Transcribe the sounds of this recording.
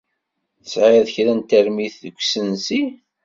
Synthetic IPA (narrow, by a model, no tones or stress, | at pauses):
θəsʕɪðçɾænt̪æɾmiθðəɡʷːsənsi